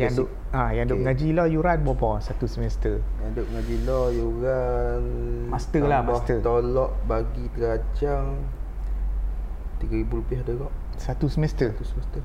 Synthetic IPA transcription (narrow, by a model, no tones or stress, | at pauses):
jaŋdo | ajaŋdoŋad͡ʒilɔhjuɾanbɔbɔsat̪usəmɛst̪əjadoʔ̚ŋad͡ʒilɔjuɾanmast̪əlamast̪ət̪olɔʔbaɡit̪əɾad͡ʒaŋ | t̪iɡaɾibulupiahdəɡɔʔ | sat̪usəmɛst̪ət̪usəmɛst̪ə